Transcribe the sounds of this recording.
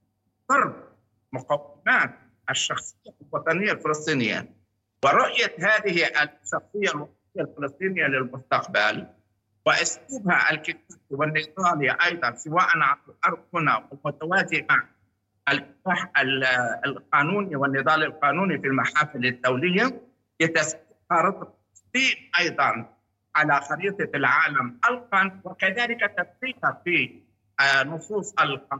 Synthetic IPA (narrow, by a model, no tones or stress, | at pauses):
d̪ˤɑɾˤb̚ | mʊqawːɪmaːt̪̚ | ʔaʃːɑxsˤɪjːalwɑt̪ˤɑnɪjːalfɪlɨsˤt̪ˤiːnɪ̰jːa̰ | wɪɾʊʔjahaːðɪhiʔaʃːɑxsˤɪjːalwɑsˤnɪjːalfɪlɨsˤt̪ˤiːnɪjːalɪlmʊst̪ɑqbal | wɪʔʊsluːbhaʔa̰lkɪt̪aːtiwɪnːɪd̪ˤɑːliʔɑjd̪ˤɑnsɪwaːʔanʕanɪlʔɑɾˤd̪̚ˤhʊnawɪlmʊt̪awaːt̪imaʕ | ʔɪlfɪ̥t̪aːħallqɑːnuːniwɪnːɪðˤɑːlɪlqɑːnuːnifilmaħaːfɪlɪd̪ːawlɪjːa | lɪt̪as̚ | haɾˤɑt̪̚ˤɑd̪iːmʔɑjd̪ˤɑn | ʕalaxɑɾiːt̪ˤɑlʕaːlamħalqɑnwɪkaðaːlɪkat̪afqiːt̪hafi | nʊsˤuːsˤɪlqː